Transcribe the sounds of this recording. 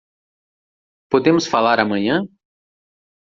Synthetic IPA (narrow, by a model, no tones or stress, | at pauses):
pod̪ẽmʊsfalaɾamɐ̃ɲɐ̃